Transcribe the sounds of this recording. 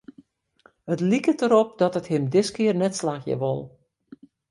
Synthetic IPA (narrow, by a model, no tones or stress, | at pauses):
hətlikətəɾɔp̚dɔtəthɪmdɪskɪərnɛtslaːxjə̰ʋo̰lˠ